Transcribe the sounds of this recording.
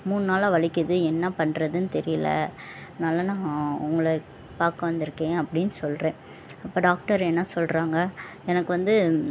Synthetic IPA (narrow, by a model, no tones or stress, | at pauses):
muːnɯnaːlaːʋɐɭɪkːɯðɯɛnːɐpɐɳːɾɐðɯnɯt̪ɛɾɪjɪlɐ̰ | naːlɐnãːʊŋɡɐɭɐ | paːɾkɐʋɐnd̪ɪɾɯkːẽːɐpːɐɽɪnːɯsɔlrẽː | ɐpːoːɖaːk̚ʈɐɾɛnːɐsɔlɾaːŋɡɐ | ɛnɐkːɯʋɐnd̪ɯ